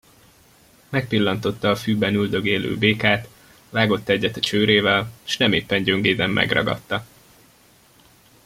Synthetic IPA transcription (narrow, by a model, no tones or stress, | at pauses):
mɛk̚pilːɒnt̪o̞t̪ːɒːfyːbɛnyld̪ø̞ɡeːlø̰ːbeːkaːt̪ | vaːɡo̞t̪ːɛɟːɛt̪ɒt͡ʃøːɾeːvɛlʃnɛmeːpːɛɲɟøŋɡeːd̪ɛmːʔɛ̰ɡrɒ̰ɡɒ̰t̪ːɒ